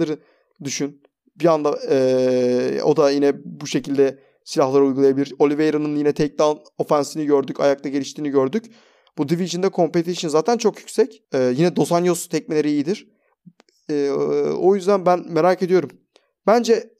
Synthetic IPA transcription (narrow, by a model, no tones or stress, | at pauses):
aɾɯ | d̪yʃyn | biand̪aɛː | o̞̰d̪ajinɛbuʃe̞cilʲd̪ɛ | silʲaɦlˠaɾaujɡulˠajabilʲiɾo̞lʲivejɾanɯnjinɛt̪ʰɛc̚d̪an | o̞fænsiniɟø̞ɾd̪yca̰jakt̪aɟe̞ɾʲiʃt̪ʰiːniɟø̞ɾd̪yc | b̥ud̪iviʒɯnd̪ɛkʰo̞mpe̞t̪ʰiʃɯnzaːt̪ʰænt͡ʃʰokjycʲsɛcɛːjinɛd̪o̞sanjost̪ʰɛc̚milʲeɾiːjid̪iɾ̥ | ɛːo̞jyzd̪ænbænme̞ɾaːced̪ijo̞ɾum | b̥ænd͡ʒɛ